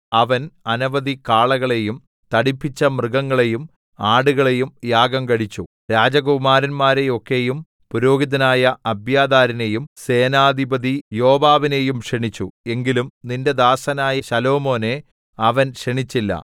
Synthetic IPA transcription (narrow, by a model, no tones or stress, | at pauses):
ɐʋɐnɐnɐʋɐd̪ikaːɭɐɣɐɭe̞jum | t̪ɐɽipːit͡ɕːɐmrɨɡɐŋːɐɭe̞jum | aːɽuɣɐɭe̞jumjaːɡɐmkɐɽit͡ɕːu | ɾaːd͡ʑɐɡumaːɾɐnmaːɾe̞o̞kːe̞jum | puɾo̞ːɡiðɐnaːjɐɐbjaːd̪aːɾɐne̞jumse̞ːnaːd̪ʱibɐd̪ijo̞ːbaːʋine̞jumʂeɳit͡ɕːue̞ŋɡilumninde̞d̪aːsɐnaːjɐɕɐlo̞ːmo̞ːne̞ | ɐʋɐnʂeɳit͡ɕːilːɐ̰